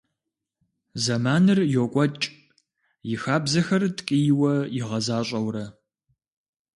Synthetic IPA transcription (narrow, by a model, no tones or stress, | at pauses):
zɐmaːnɨrjokʷʼɔt͡ʃʼ | jɪxaːbzɐxɐrtʰʼkʼijwɐjɪʁɐzaːɕʼɐwɾɐ